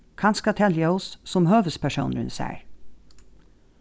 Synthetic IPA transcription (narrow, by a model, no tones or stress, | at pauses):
kʰɑnskɑt̪ʰɛljəʊssɔmhøːʋəspʰæʃṵːnɾʉ̰nsæ̰ːɹ